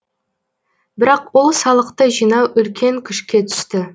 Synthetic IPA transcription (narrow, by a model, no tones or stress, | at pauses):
bɪɾɑqwo̞lˠsɑlˠəqt̪əʒijnɑwʔʏlkʲʰe̞ŋkʲʰʏʃkʲe̞t̪ʰʏ̥st̪ɪ